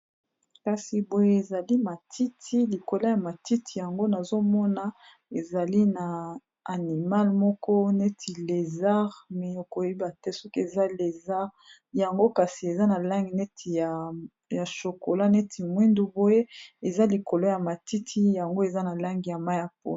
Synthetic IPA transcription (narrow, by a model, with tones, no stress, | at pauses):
ka˨si˨bo˦je˦e˨za˨li˦ma˨tʰi˦tʰi˦li˨ko˨la˦ja˨ma˨ti˦tʰi˨ja˨ŋɡo˦na˨zo˦mɔ˦na˦ | e˨za˨li˦na˨ | a˨ni˨ma˦lmɔ˦kɔ˦ne˦tʰi˨le˨za˦ʁmɛ˨o˨ko˨˦i˦ba˨tɛ˦so˦ke˨za˦le˨za˦ | ja˨ŋɡo˦ka˨si˨e˨za˦na˨la˦ŋɡi˨ne˦tʰi˨ja˨ | ja˨ʃo˨ko˨la˦ne˦tʰi˨mwi˦ndu˦bo˦je˦e˨za˦li˨ko˨lo˦ja˨ma˨ti˦tʰi˦ja˨ŋɡo˦e˨za˦na˨la˦ŋɡi˨ja˨ma˦ja˨po̰˦˨